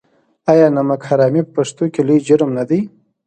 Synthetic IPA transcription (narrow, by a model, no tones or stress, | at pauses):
ajɑnamakhaɾɑmipəpaʂt̪okʲelujd͡ʒʊɾmnad̪əj